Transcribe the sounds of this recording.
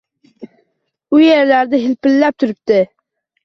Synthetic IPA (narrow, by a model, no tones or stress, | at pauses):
ujeɾlæɾd̪ɪɦɪlpɪlːæp̚t̪ʰʊɾyp̚t̪ɪ